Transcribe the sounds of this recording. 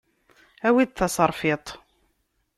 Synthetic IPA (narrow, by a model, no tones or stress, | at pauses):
æwid̪θɑsˤɑɾˤfɪt̪ˤ